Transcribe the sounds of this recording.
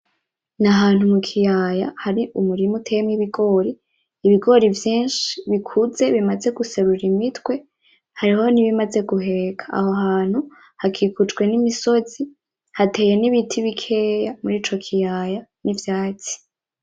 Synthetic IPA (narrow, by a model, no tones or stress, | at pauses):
naɦaːn̥humukʰijaːjahaɾiʔumuɾimutʰejemiβiɡo̞ːɾiː | βiɡo̞ɾivjiːnʃiβikʰuze̞βimaze̞ɡuse̞ɾuɾimitwe̞ | haɾiho̞niβimaze̞ɡuɦe̞ɡʰḁːhoɦaːn̥hu | hakʰikud͡ʒɡwe̞nimiso̞zi | hatʰe̞ːje̞niβitʰiβikʰe̞ːjamuɾiːt͡ʃo̞kʰijajanivjaːt͡si̥